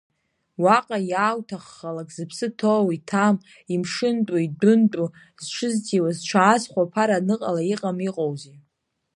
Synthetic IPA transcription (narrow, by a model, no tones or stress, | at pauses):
waqʼajaːwtʰaχːalakʼz̥ɨpʰsɨtʰowitʰam | imʂɨntʼaidʊntʼu | zt͡ʃʷʰɨztʰiwazt͡ʃʷʰaːzχʷapʰaɾanɨqʼalaiqʼamiqʼowzi